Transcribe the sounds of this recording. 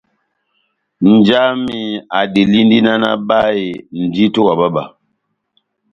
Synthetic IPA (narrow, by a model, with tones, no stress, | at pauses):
n̩˨d͡ʒa˦mi˨a˨di˨li˦n˦di˦na˦na̰˦ba˦e˨n̩˨di˦to˦ka˨ba˦ba˨